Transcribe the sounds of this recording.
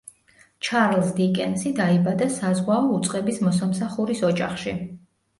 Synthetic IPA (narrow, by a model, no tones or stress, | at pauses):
t͡ʃʰaɾlˠsd̪ikʼɛnsid̪aibad̪asazʁwaɔut̪sʼqʼɛbismɔsamsaχuɾisɔd͡ʒaχʃi